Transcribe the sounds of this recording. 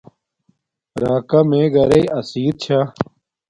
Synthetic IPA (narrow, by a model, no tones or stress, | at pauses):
ɾaːkɐmẽːɡɐɾeiɐsiːd̪̚t͡ɕʰa